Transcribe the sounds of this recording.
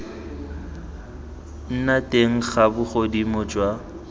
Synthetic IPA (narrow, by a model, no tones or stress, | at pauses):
n̩natʼeŋ̩χabʊχodimɔd͡ʒwa